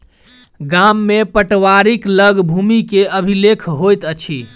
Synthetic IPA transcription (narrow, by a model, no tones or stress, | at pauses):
ɡamːepəʈʋaɾikləɡbʱumikeəbʱilekʰɦojt̪ət͡ʃʰi